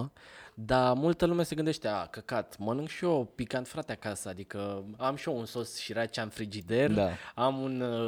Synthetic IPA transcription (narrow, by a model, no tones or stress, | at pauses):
d̪amult̪əlumease̞ɡɨnd̪eʃt̪eakəkat̪mənɨŋɡʃio̞pikant̪fɾat̪eakasəad̪ikəamʃiounsosʃiɾat͡ʃanfɾid͡ʒid̪e̞rd̪aamun